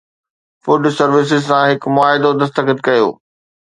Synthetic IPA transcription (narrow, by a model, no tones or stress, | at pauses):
fʊɖsɐɾʋɪs̬ɪzsãɦɪkmʊaːɦɪd̪od̪ɐs̬t̪əkɪt̪̚kɐjo̰ː